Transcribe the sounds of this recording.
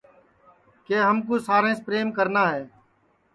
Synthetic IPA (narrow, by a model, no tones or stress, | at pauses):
keːɦəmk̬uːsaːɾẽːspɾeːmkəɾnaːɦeː